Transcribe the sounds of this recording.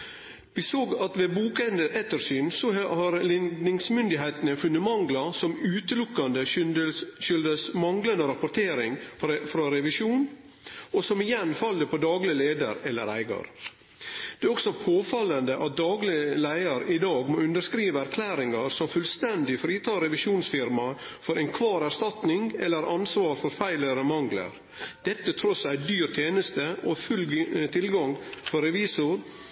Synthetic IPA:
ʋɪsoːɡɑt̪ʋeːbuːkənd̪əʔɛt̪ːəɾʂyːnsɔhɑɾlɪd̪nɪŋsmʏnd̪ɪɦeɪt̪nəfʉnːəmɑŋɡlɑsɔmʉːt̪əlʊkːɑnd̪ə | ʃʏld̪əsmɑŋɡlənd̪əɾɑpʊʈ̪ʰeːɾɪŋfɾɑɾɛʋɪʂuːn | ɔsɔmɪjɛnfɑlːəpʰɔd̪ɑːɡlɪəleːd̪ə̰ɾɛlːə̰ɾæ̰ɪɡɑ̰ɾ | d̪̥ɛːɔksɔpʰoːfɑlənd̪əʔɑt̪̚d̪ɑːɡlɪlæɪəɾɪd̪ɑːɡmoːʉnd̪əʂkɾiːʋəæɾkʰlæːɾɪŋɑɾsɔmfʉlst̪ɛnd̪ɪfɾiːt̪ʰɑːɾɛʋɪʂuːnsfɪɾmɑ | fɔɾʔɛnkʰʋɑːɾæɾʂt̪ɑt̪nɪŋɛlːəɾʔɑnsʋɑːɾfɔɾfæɪləɾəmɑŋɡlə̰ɾ | d̪̥ɛt̪ːət̪ʰɾɔsæɪd̪yːɾt̪ʰjeːnəst̪əʔɔfʉlːt̪ʰɪlɡɑŋfɔɾɛʋiːsʊɾ

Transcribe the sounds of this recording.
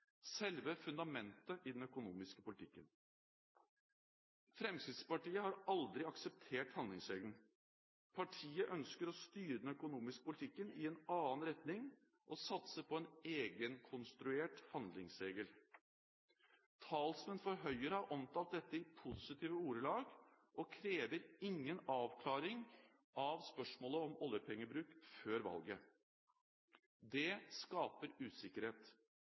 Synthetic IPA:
sɛlʋəfʉnd̪ɑmɛnt̪əʔɪd̪ɛnœkʊnuːmɪskəpʊlɪt̪ʰɪkːən | fɾɛmsɪspɑʈiːəhɑɾɑld̪ɾɪɑksəp̚t̪ʰeːʈhɑnd̪lɪŋsɾeːɡən̩ | pʰɑʈʰiːəʔœnskəɾɔst̪yːɾəd̪ɛnœkʊnuːmɪskə̥pʊlɪt̪ʰɪkːənɪɛnɑːnɾɛt̪nɪŋ | ʔɔsɑt̪səpʰɔeneːɡənkʰʊnst̪ɾʉeːʈhɑnd̪lɪŋsɾeːɡəl | t̪ʰɑːlsmɛnfɔɾɦœʏəɾəhɑɾʔɔmt̪ʰɑlt̪̚d̪ɛt̪ːəɪpʰʊsɪt̪ʰiːʋəuːɾəlɑːɡ | ʔɔkʰɾeːʋəɾɪŋːənɑːʋkʰlɑːɾɪŋ | ʔɑʋspœʂmoːləɔmɔljəpʰɛŋːəbɾʉːkføːɾʋɑ̰lɡə | d̪ɛskɑːpəɾʉːsɪkəɾheːt̪

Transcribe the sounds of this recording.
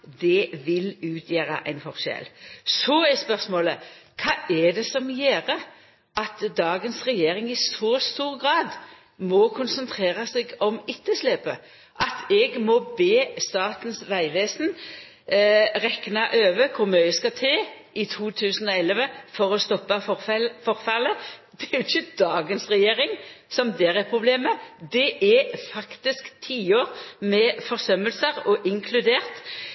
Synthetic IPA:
d̪ɛʋɪlʉːt̪ʰjæːɾɑ̰ʔæɪnfɔʁʃɛ̰lsɔɛspœʁsmoːləkʰɑːʔɛd̪ɛsɔmjeːʁə | ʔɑt̪d̪ɑːɡənsʁɛjeːʁɪŋɪsɔst̪uːʁɡʁɑːd̪ | mɔkʰʊnsənt̪ʰʁeːʁɑsɛɡɔmɪt̪ːəslɛːpə | ʔɑt̪ʰɛɡmɔbeːst̪ɑːt̪n̩sʋæɪʋeːsn | ʁɛknɑʔøːʋəkʰʊʁmœʏskɑt̪ʰeːʔɪt̪ʰuːt̪ʰʉːsnɔɛləʋəfɔʁɔst̪ɔpːɑfɔʁfɑləd̪̥ɛæɪçəd̪ɑːɡənsʁɛjeːʁɪŋsɔmd̪ɛʁɛpʰʁʊbleːməd̪ɛʔɛfɑkt̪ɪskt̪ʰiːoːʁmɛfɔʁsœmːəlsəʁɔʔɪŋkʰlʉd̪eːʁt̪

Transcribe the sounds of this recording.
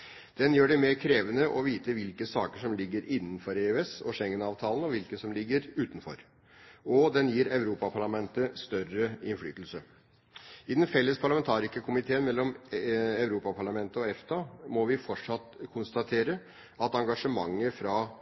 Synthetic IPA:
d̪̥ɛnjøːɖɛmeːɾkʰɾeːʋənəʔɔʋiːt̪əʋɪlkəsɑːkəʂɔmlɪɡːəɾɪnːn̩fɔɾɛʉɛsɔʂɛŋːənɑːʋt̪ʰɑːlənɔʋɪlkəsɔmlɪɡːəɾʉːt̪n̩fɔ̰ɾ | ɔd̪ɛnjiːɾæʉɾuːpɑpʰɑɭɑmɛnt̪əst̪œɾəɪnfly̰ːt̪əl̩sə | ɪd̪ɛnfɛlːəspʰɑɭɑmɛnt̪ʰɑːɾɪskəkʰʊmɪt̪ʰeːənmɛlːɔmæʉɾuːpɑpʰɑɭɑmɛnt̪əɔɛft̪ɑmɔʋɪfɔʈʂɑt̪ːkʰʊnst̪ɑt̪ʰeːɾə | ɑt̪ɑŋɡɑʂəmɑŋːəfɾɑː

